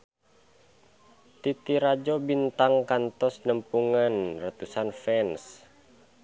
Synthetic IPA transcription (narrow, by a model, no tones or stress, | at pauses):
t̪it̪iɾad͡ʒobint̪aŋkant̪ɔsnəmpuŋanrət̪usanfɛns